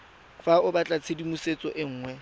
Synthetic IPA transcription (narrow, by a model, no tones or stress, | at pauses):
faʊbat͡ɬʼat͡sʰedimuset͡sʼɔʔɪŋ̩ːŋwɛ